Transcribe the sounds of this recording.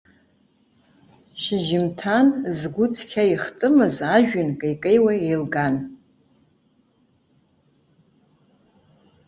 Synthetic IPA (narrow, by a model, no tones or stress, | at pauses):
ʃɪʒɪmtʰanzɡʷʊt͡sʰkʲʰaiχtʼɨmɨzaʒᶣʏnkʼejkʼejwaejlɡan